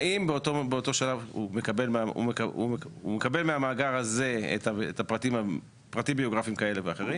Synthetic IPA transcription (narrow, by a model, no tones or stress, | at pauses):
imbeotobeot̪o̞ʃalavumekabe̞lmaṵmekaṵumekabe̞lmeamaːɡaʁaze̞ḛtaetapʁatima | pʁat̪imbio̞ɡʁafimkae̞leveaχeʁi